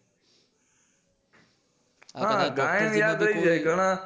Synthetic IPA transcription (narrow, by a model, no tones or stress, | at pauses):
ɦãːɡaːɪmjaːd̪ɾəiːd͡ʒaeɡʱəɳãː